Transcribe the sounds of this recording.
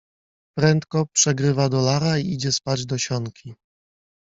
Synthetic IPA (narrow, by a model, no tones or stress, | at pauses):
pɾɛnt̪kɔpʂɛɡɾɘvad̪ɔlaɾaiid͡ʑɛspad͡ʑd̪ɔɕɔŋkʲʰi